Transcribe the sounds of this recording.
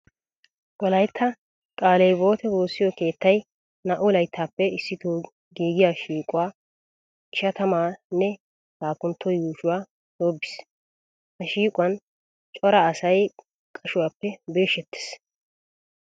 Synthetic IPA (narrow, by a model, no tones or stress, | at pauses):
ɡɔlɐjt̪ʰːɐ | kʼaːlɛjbo̞ːt̪ɛboːsːɪjɔke̞ːt̪ːɐj | nɐʔʊlɐjt̪ʰːaːpːɛɪsːɪt̪oː | ɡiːɡɪjaːʃiːkʼʊwaː | ɪʃɐt̪ɐmaːnːɛ | haːkʊnt̪ːɔjuːʃʊwaː | d̪oːbːɪ̥s | hɐʃiːkʼʊwɐn | t͡ʃʼɔɾɐːsɐj | kʼɐʃʊwaːpːɛbe̞ːʃɛt̪ːe̥s